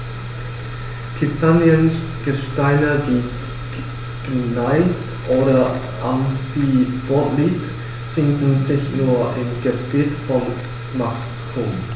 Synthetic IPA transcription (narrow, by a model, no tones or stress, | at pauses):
kʰɪstanjən | ɡ̥əʃtaɪnəviː | naɪs | ʔoːɾɐ | ʔanfib̥ɔtliːt | fɪndn̩zɪçnuːɐʔɪmɡ̥əb̥iːtfɔn | mak | kʰom